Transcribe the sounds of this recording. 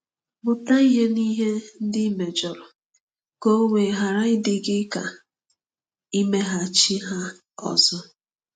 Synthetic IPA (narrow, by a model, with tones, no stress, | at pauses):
bʊ˨ta˦i˦ɦe˦ni˦ɦe˦n̩˦dɪ˦i˦me˨d͡ʒɔ˨ɾʊ˨ | ko˦o˦ŋʷe˨ɦa˨ɾa˦ɪ˦dɪ˦ɡɪ˦ka̰˨ | i˦me˦ɦa˦t͡ʃi˦ɦa˦ | ɔ̰˨zɔ˦